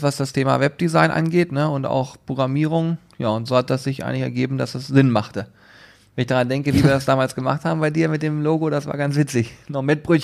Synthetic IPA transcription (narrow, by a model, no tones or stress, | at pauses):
v̥asd̥astʰeːma̰vɛp̚d̥izaɪnʔa̰nɡeːtnəʊnta̰ʊxpʁ̥oɡʁamiːʁ̞ʊŋ | jaːʊntz̥oːhat̚d̥asz̥ɪçʔa̰ɪŋlɪçɛɐɡeːbm̩dasd̥asz̥ɪnmaχtə | vɛnɪçd̥aʁandɛŋkəviːviːɐɾasd̥aːmaːlsɡ̥əma̰χthaːbm̩baɪdiːɐmɪt̚d̥eːmloːɡoɾdasv̥a̰ːɐɡansv̥ɪt͡sɪçnɔχmɪt̚b̥ʁʏç